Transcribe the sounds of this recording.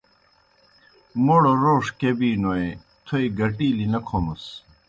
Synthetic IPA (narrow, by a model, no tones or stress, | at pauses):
moɽoɾoːʂkebiːnoe | t̪ʰoiɡɐʈiːlinɐkʰomɐs